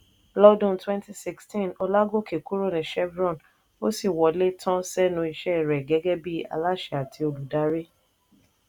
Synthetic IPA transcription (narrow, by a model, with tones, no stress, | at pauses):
lɔ˦dɔ̃˦˨n˨twɛ̃˦nti˦si˦kstĩ˦˨nɔ˧la˦ɡo˦˨kʰe˨ku˦ɾo˦˨nĩ˨ʃɛ˦bɾɔ̃˦˨n | o˦si˦˨wɔ˨le˦tʰɔ̃˦sɛ˦nũ˧i˧ʃɛ˦˨ɾɛ˨ɡɛ˨˦ɡɛ˦bi˦a̰˨˧la˦ʃɛ˨a˨tʰi˧˦o˨lu˨da˨˦ɾe˦